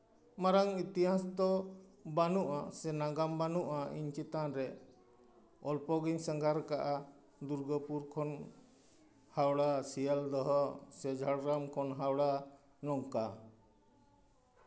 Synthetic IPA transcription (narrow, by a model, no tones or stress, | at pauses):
maɾaŋit̪iɦasd̪ɔbanuʔasɛnaɡambanuʔaḭɲt͡ʃit̪anɾɛ | ɔlpɔɡiɲsəŋɡaɾkaʔa | d̪uɾɡɔpuɾkʰɔn | hawɽasijəld̪ɔɦɔsɛd͡ʒʱaɽɾamkʰɔnɦawɽa | nɔŋka